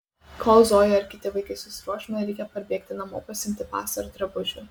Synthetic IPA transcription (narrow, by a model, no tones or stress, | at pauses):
kʰoːlˠzoːjɛɐɾkʲɪt̪ʲɪʋɐɪkɐɪsʊsʲɪɾuɔʃʲɪmɐɾʲɛɪkʲɛpɐɾʲbʲiɛkt̪ʲɪnɐmoːpɐsʲɪmʲt̪ʲɪpɑ̰ːsɐɾɐd̪ʲɾɐbʊʒʲʊ